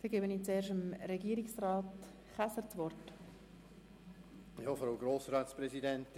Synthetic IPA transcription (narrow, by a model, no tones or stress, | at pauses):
fɪɡeːbəniːt͡seːɾʃəmɾɛɡiːɾɪksrɑːt | χasəɾt͡svɔrt | jɑːfɔɾalɡɾoːsɾaːt̪spɾɛsidɛnt̪